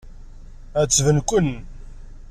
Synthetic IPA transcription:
æt͡sːvənkʷən

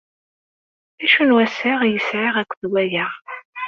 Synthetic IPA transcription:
æʃunwæsaʁjəsʕaʁækʷːðwæjaʁ

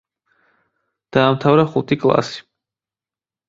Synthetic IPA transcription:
d̪̥aːmt̪ʰavɾaχut̪ʰikʼlˠa̰si̥

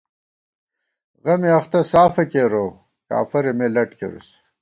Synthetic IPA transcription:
ɣɐmiɐχt̪ɐsaːfɐkeːɾo | ka̰ːfɐɾemelɐʈkḛɾṵs

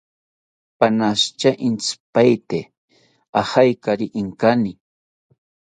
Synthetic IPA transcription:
panast͡ʃaʔint͡spajt̪e | ahajkaɾiʔiŋkani

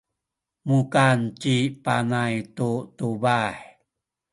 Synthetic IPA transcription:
mukant͡ɕipanajtutubaħ

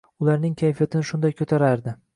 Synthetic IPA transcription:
ʊlaɾnɪŋkʲʰajfijat̪ʰɪnɪʃʊnd̪ajkʰɵt̪ʰaɾaɾd̪ɪ

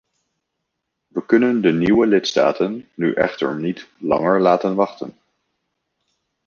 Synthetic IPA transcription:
ʋəkɵnəndəniwəlɪtsta̰ːtənːyʔɛ̰χtə̰ɹnitlɑ̰ŋəɹlaːtənʋɑχtə̰n

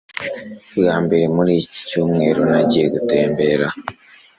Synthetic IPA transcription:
jaːmbe̞ɾemuɾiːci̥cuːmŋe̞ːɾonaɟijeɡute̞ːmbe̞ɾa

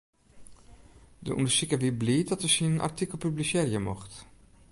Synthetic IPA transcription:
də̰ʔṵndəsikaʋibliːtdɑtəsinnʔɑ̰ɹtikəlˠpyblisɛːrjəmɔχt

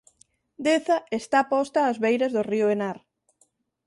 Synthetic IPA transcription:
d̪eθɐest̪apɔst̪aːzβejɾɐzðʊriʊenaɾ

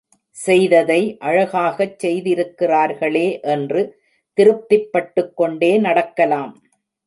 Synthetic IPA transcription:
sɛjðɐðɐɪʔɐɻɐɣaːɣɐt͡ʃsɛjðɪɾɯkːɪraːɾɣɐɭeːʔɛndrɯ | t̪ɪɾɯp̚t̪ːɪpːɐʈːɯkːɔɳɖeːnɐɽɐkːɐlaːm

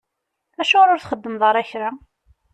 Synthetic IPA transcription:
æʃʊɾʊɾθχəd̪ːəmðˤəɾˤæçɾa

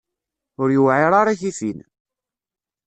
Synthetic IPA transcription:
ʊɾjuwʕɪɾˤaɾˤaçiθin

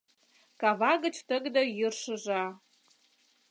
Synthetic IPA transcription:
kɑβɑɣə̆t͡ɕt̪ə̆ɣd̪ə̆jərʃə̆ʒɑ

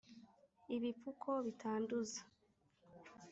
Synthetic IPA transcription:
iβipukʰo̞βitʰaːnduzḁ

